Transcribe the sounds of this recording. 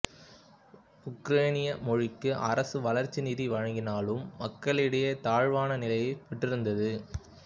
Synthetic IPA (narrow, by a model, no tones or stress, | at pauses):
ʊkɾeːnɪjɐmɔɻɪkːɯʔɐ̰ɾɐsɯʋɐlɐɾt͡ʃːiniːðiʋɐɻɐŋɡɪnaːlɯmːɐkːɐɭɪɽɐjɐt̪aːɻʋaːnɐnɪlɐjɐpɛʈːrɪɾɯnd̪ɐðɯ